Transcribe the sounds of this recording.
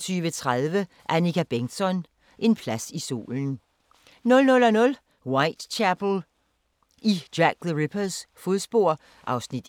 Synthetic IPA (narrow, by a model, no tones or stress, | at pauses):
t͡sʰyːʋət͡sʰʁaðˠʋə | ʔænikʰæb̥eŋsɒ̽n | ʔe̝npʰlæsiso̝̰ːln̩ | nɔ̽lnɔ̽lænɔ̽l | wɑ̈ɪd̥t͡ɕʰæb̥l̩ | ʔid̥jæɡ̥̚ðəʁipʰɐsfo̝ð̩ˠsb̥o̝ɐ̰ | ʔɑ̈ʊsnid̥